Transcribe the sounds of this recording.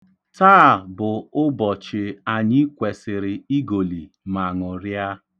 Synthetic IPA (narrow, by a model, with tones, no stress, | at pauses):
taː˦˨bʊ˨ʊ˦bɔ˨t͡ʃɪ˨a˨ɲɪ˦kʷe˨sɪ˨ɾɪ˨i˦ɡo˨li˨ | ma˨ŋʊ˨ɾja˦